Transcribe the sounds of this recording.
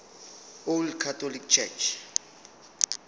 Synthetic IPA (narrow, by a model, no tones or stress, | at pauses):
olkʰatɔlik̚t͡ʃʰɛ̰t͡ʃʰ